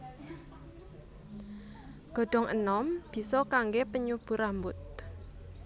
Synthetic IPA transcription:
ɡ̥ɔ̤ɖ̥ɔ̤ŋʔə̰nɔmb̥i̤sɔkaŋɡepəɲub̥ṳɾambʊt̪̚

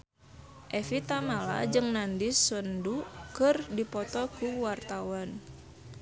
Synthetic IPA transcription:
ʔɛfit̪amala̰d͡ʒɨŋnandisəndukɨrdipɔt̪ɔkuwart̪awan

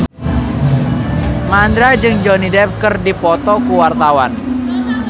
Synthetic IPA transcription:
mand̪ɾad͡ʒɨŋd͡ʒɔnidɛp̚kɨrdipɔt̪ɔkuwart̪awan

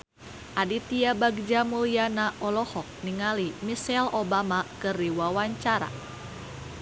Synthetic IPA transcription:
ʔadit̪iabaɡd͡ʒamuljanaʔɔlɔhɔk̚niŋalimisɛlobamakɨriwawaɲt͡ʃaɾa̰

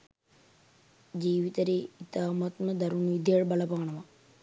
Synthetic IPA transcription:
d͡ʒiːʋit̪ɐɾeːit̪aːmɐt̪nɐd̪ɐɾunid̪ʱjeːɽbɐlɐpaːɳɐmɐ

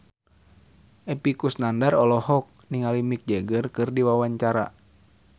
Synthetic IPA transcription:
ʔɛpikusnandaɾɔlɔhɔk̚niŋalimik̚d͡ʒɛɡərkɨrdiwawaɲt͡ʃaɾa̰

